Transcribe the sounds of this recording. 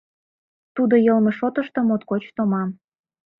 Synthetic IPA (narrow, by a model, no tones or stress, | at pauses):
t̪ud̪ojɤlmeʃot̪əʃt̪ŏmot̪kot͡ɕt̪omɑm